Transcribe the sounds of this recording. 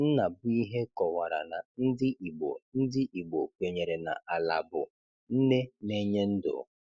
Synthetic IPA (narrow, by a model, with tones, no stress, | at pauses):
n̩˦na˨bʊ˦i˦ɦe˦kɔ˨wa˨ɾa̰˨na˨n̩˦dɪ˦ʔi˨ɡ͡bo˨n̩˦dɪ˦ʔi˨ɡ͡bo˨kʷe˨ɲe˨ɾe˨na̰˨ʔa˨la̰˨bʊ˨ | n̩˦ne˦ne˦ɲe˦n̩˦dʊ̰˨